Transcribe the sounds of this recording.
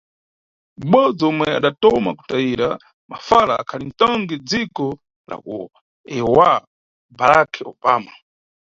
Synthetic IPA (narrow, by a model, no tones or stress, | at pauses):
m̩ɓɔd͡zɔmwɛa̰ɗatɔma̰ku̥taiɾa | mafalaːkʰalin̩tɔŋɡɛd͡zikɔ | la̰kṵ | ɛɔwa | baɾakʰɛɔbaːma